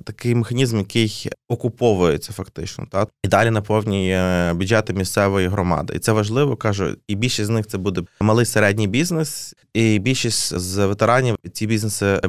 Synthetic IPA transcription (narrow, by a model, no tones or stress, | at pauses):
t̪ɐkɪjmexɐnʲizmjɐkɪjɔkʊpɔʋʊjet͡sʲːɐfɐkt̪ɪt͡ʃnɔ̰t̪ɑid̪ɑlʲinɐpɔwnʲijbʲud͡ʒɛt̪ɪmʲist̪sɛʋɔjiɦɾɔmɑ̰d̪ɪ̰ḭt̪sɛʋɐʒlˠɪʋɔkɑʒʊ̰ibʲilʲʃisʲtʲznɪxt̪sɛbud̪ɛmɐlˠɪjseɾɛdʲnʲijbʲiznes | ibʲilʲʃisʲtʲzʋet̪eɾɑnʲit͡sʲibʲiznesɪ